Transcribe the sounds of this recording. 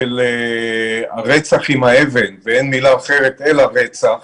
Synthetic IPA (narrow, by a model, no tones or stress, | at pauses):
ele | aʁet͡saχimae̞ve̞nveenmilaːχeʁet̪elaʁet͡saχ